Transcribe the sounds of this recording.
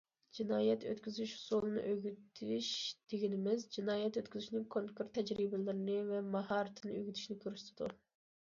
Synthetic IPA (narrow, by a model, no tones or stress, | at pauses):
d͡ʒinɑːjɛt̪ʰø̰t̪kʲyzyʃhu̥sulˠɨnɨ̰ʔøɡʲyt̪ʰiʃd̪̥eɡʲinɪmɪzd͡ʒinɑːjɛt̪øt̪kʲyzyʃnɪŋkʰoŋkuɾt̪ʰːɛd͡ʒɾibɪlɪɾɪnɪvɛmɑɦɑɾɨt̪ʰɨnɨøɡʲyt̪ʰy̥ʃnɪkʲʰøɾyʃt̪ʰɨd̪u